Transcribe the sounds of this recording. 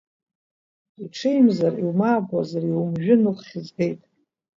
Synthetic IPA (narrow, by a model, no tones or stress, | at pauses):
iʈ͡ʂʰejmzariwmaːbazariwumʒᶣɪnuχχʲɪzbe̞jtʼ